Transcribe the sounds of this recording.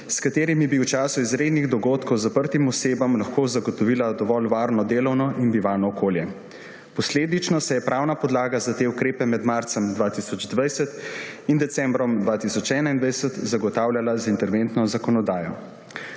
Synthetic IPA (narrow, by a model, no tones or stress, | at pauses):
skat̪eːɾimibiwt͡ʃaːsuizɾeːd̪niɣd̪ɔɡoːt̪kʰɔwzapəɾt̪imɔseːbamlaxkoːzaɡɔt̪ɔʋiːlad̪ɔʋɔlʋaːɾnɔd̪eːlɔwnɔʔinbiʋaːnɔːkʰoːljɛ | pɔsleːd̪it͡ʃnɔsɛjɛpɾʔaːwnapɔd̪laːɡazat̪eukɾeːpɛmɛd̪maɾt̪sɛmd̪ʋaːt̪isɔd͡ʒd̪ʋajsɛt̪ind̪ɛt̪sɛmbɾɔmd̪ʋaːt̪isɔt͡ʃɛːnaind̪ʋajsət̪zaɡɔt̪aːwlʲjalazint̪ɛɾʋent̪nɔzakɔnɔd̪aːjɔ